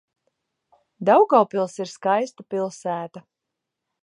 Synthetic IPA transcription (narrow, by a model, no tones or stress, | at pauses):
d̪awɡawpilˠsiɾskajst̪apilˠsæːt̪a